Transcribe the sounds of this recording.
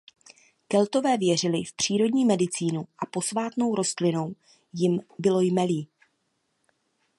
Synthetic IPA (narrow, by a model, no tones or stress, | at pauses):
kɛlt̪o̞vɛːvjɛr̝ɪlɪfpr̝̥iːɾo̞dɲiːmɛdɪt͡siːnuʔapo̞svaːt̪no̞wɾʔo̞st̪lɪno̞w | jɪmbɪlo̞jmɛliː